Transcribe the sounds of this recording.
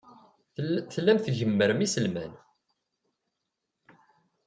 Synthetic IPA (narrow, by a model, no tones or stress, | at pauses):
θlːæmθʝəmːəɾəmisəlmæ̰n